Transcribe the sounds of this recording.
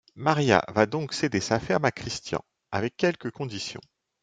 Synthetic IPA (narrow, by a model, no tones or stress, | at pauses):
maʁja̰vad̪ɔ̃ksed̪esafɛʁmakχist̪jɑ̰̃ | avɛkʲːɛlkəkɔ̃d̪isjɔ̰̃